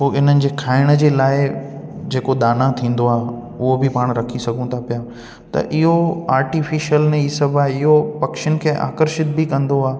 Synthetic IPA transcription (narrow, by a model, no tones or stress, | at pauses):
poːɪn̤ənɪ̆d͡ʑeːkʰaːɪɽ̃ə̆d͡ʑeːlaːɪd͡ʑeːkod̪aːnat̪ʰĩːn̆d̪oaːɦ | ʊɦobɪpaːɽ̃ɾɐkʰisɐɡʱũt̪ʰapijaː | t̪ɐ̰ʔɪɦoaːɾʈifʰiʃjəlnẽisɐbʱaːɦɪɦopɐkʃɪənɪ̆kʰeːʔa̰ːkəɾʃɪt̪̚bɪkɐ̃nd̪oaː